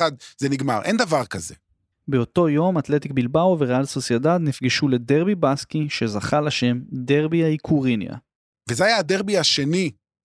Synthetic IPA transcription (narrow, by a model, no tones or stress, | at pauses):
ad̪zeniɡma̰ʁʔend̪avaʁkazḛ | beo̞to̞jo̞mat̪le̞t̪ikbilbawveʁalsosjadad̪nifɡiʃule̞de̞ʁbibaskiʃe̞zaχalaʃe̞mdeʁbiaikʰuʁinja̰ | vezeajaːdeʁbiaʃe̞ni